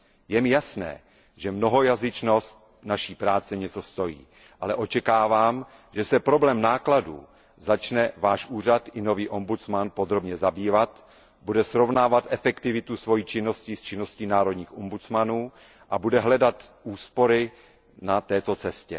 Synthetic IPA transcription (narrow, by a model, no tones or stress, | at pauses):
jɛmɪjasnɛ̰ː | ʒɛmno̞ɦo̞jazɪt͡ʃnost̪ | naʃiːpɾaːt͡sɛɲɛt͡so̞st̪o̞jḭː | ʔalɛʔo̞t͡ʃɛkaːvaːm | ʒɛsɛpɾo̞blɛːmnaːkladṵː | zat͡ʃnɛvaːʃʔuːr̝at̪ɪno̞viːʔo̞mbut͡smanpo̞d̪ɾo̞bɲɛzabiːvat̪ | budɛsɾo̞vnaːvat̪ʔɛfɛkt̪ɪvɪt̪usvo̞jiːt͡ʃɪno̞scist͡ʃɪno̞sciːnaːɾo̞dɲiːxʔombut͡smanuː | ʔabudɛɦlɛdat̪ʔuːspo̞ɾɪ | nat̪ɛːt̪o̞t͡sɛscɛ̰